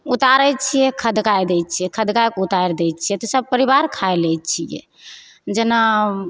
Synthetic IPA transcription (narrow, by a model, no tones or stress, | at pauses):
ut̪aɾɛt͡ʃʰijɛkʰəd̪kajd̪ɛjt̪̚t͡ʃʰijɛkʰəd̪kajkout̪ajɾd̪ɛjt̪̚t͡ʃʰijɛt̪ɔsəb̚pəɾibaɾkʰaelɛjt̪t͡ʃʰijɛ̰ | d͡ʒena